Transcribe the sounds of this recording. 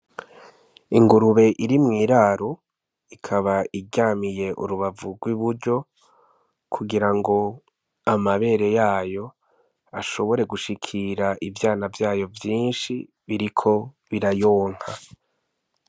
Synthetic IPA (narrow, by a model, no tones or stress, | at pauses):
iŋɡuɾuβe̞ʔiɾimŋiːɾaːɾo | ikʰaβaiɟaːmije̞ʔṵɾuβavuɡwiβuɾɟo̞ | kʰuɡiɾaŋɡo̞ | amaβe̞ːɾe̞jaːjo̞ | aʃo̞βo̞ɾe̞ɡuʃikʰiɾaʔivjaːnavjaːjo̞vjiːnʃi | βiɾikʰo̞ | βiɾajoːŋ̥ha